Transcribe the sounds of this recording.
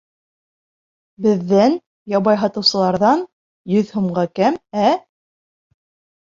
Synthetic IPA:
bɘ̆ðːæn | jɑβɑjɦɑt̪ɤ̆wsɤ̆lˠɑɾðɑn | jɵðhŭmɢɑkæmæ

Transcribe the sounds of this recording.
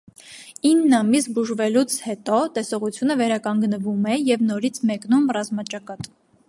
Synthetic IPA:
inːɑmisbuʒvɛlut͡sʰhɛt̪ɔt̪ɛsɔʁut͡sʰjunəvɛɾɑkɑŋɡnəvumɛjɛvnɔɾit͡sʰmɛknumrɑzmɑt͡ʃɑkɑt̪

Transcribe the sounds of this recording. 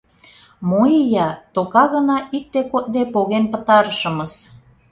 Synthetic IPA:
moijɑt̪okɑɣə̆nɑʔik̚t̪ekot̪̚d̪epoɣenpə̆t̪ɑɾəʃə̆məs

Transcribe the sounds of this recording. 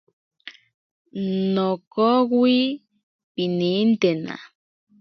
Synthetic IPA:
nokokwi | pinint̪ena̰

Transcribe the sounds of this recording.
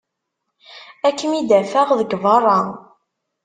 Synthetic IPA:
ækːəmid̪æfæʁðəɡvɑrˤːɑ

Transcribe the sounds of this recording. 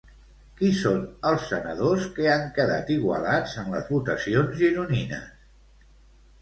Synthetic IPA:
kisonəlˠsːənəðoskəaŋkəða̰t̪iɣwə̰lad͡zənlə̰zβut̪əsionzʒiɾuninə̰s

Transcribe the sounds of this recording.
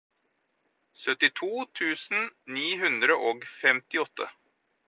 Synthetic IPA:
sœt̪ɪt̪ʰuːt̪ʰʉːsn̩niːɦʉnd̪ɾəʔɔɡfɛmt̪ɪɔt̪ʰːə̰

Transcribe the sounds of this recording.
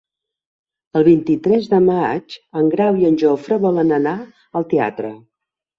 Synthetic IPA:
əlˠβint̪it̪ɾɛzðəmad͡ʒəŋɡɾawiənʲʒofɾəβɔlənəna | əlˠt̪ea̰t̪ɾə̰

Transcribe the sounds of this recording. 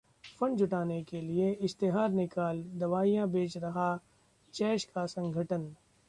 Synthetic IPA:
fɐ̃ɳd͡ʒʊʈaːnekelieɪst̪ɪɦaːɾnɪkaːld̪ɐʋaːijãbeːt͡ʃɾɐɦa | t͡ʃɛːʃkasɐ̃ŋɡʱəʈən

